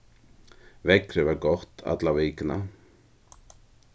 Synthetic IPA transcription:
vɛkɾʏvaɾkɔht̪a̰t̪laveːkna

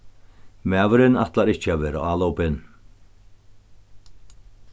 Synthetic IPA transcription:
mæːvʏɾɪnat̪laɾɪht͡ɕːɪavɛːɾa̰aːlowpɪn

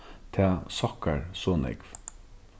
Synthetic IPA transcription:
t̪ʰeːsɑkəɹsoːnɪ̰ɡʋ

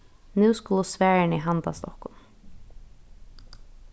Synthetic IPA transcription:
nʉːskʊlʊsʋæːɹɪniɦant̪a̰st̪ɔhkːʊn

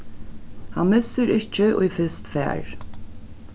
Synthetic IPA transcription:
hanmɪsəɾɪht͡ʃɪʔʊ̰jfɪst̪fɛ̰ːɹ

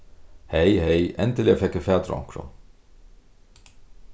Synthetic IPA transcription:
hɛjhɛjʔɛnt̪ɪlɛafɛkːɪfɛːt̪ɾɔ̰ŋ̥kɾʊ̰n

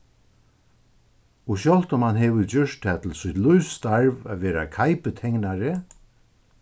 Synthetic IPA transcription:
ʊɕjɔlt̪ʊmhanɦɛʋʏd͡ʑʏʂtt̪ʰɛːt̪ʰɪlsʊt̪luɥst̪aɹva̰ʋɛːɾa̰kʰajpət̪ʰɛŋknaɾɪ

